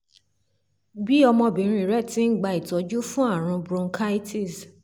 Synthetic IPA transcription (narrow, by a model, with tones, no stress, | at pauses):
bi˦ɔ˧mɔ̃˧bĩ˨˦ɾ̃ĩ˧˨ɾɛ˦˨tĩ˨˦n̩˦˨ɡ͡ba˧i˨tɔ˨˦d͡ʒu˦fũ˦a˦˨ɾ̃ũ˧bɾũ˧ŋ̩˦kʰa˦i˦ti˦˨s